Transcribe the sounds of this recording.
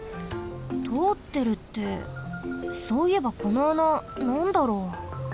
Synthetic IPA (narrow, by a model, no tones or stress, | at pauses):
t̪ʰo̞ːt̪ːe̞ɾɯ̟t̪ːe̞̰ | soːie̞bako̞noananãnd̪aɾo̞ː